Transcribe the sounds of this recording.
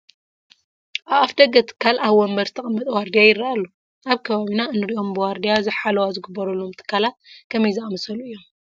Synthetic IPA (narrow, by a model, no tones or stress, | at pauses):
ʔaβafd̪ɐɡɐt̪ʰɨ̥kʰːalaβwɔmbɐɾt̪ʰɐχʼɐmːɐt̪ʼwaɾd̪ijajɪrːaalːo | ʔaβkʰɐβaβinaɨnːɨɾiʔo̞mbɨwaɾd̪ijazɨħalɐwazɨɡɨbːɐɾɐlːomt̪ʰɨ̥kːalat̪̚kʰɐmɐjzaʔmɐsɐluɨjːo̞m